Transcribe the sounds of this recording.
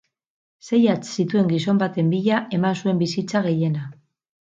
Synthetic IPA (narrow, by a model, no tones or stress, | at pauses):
se̞jat͡ssit̪ue̞ŋɡiso̞mbat̪e̞mbiʎaʔe̞mansue̞mbisit͡saɣ̞e̞je̞na